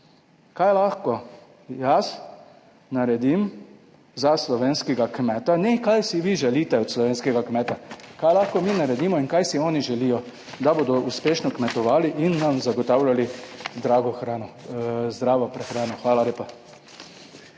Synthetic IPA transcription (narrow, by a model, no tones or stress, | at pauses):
kajlaxkɔ | jas | naɾɛd̪im | zaslɔʋeːnskɛɡakmɛːt̪anɛkajsiʋiʒɛliːt̪ɛɔt̪slɔʋeːnskɛɡakmɛːt̪akaːjlaːxkɔmiːnaɾɛd̪iːmɔinkajsiɔːniʒɛlijɔ | d̪aboːd̪ɔʔuspeːʃnɔkmɛt̪ɔʋaːliʔinːamzaɡɔt̪aːwlʲjalizd̪ɾaːɡɔxɾaːnɔzd̪ɾaːʋɔpɾɛxɾaːnɔxʋaːlaleːpa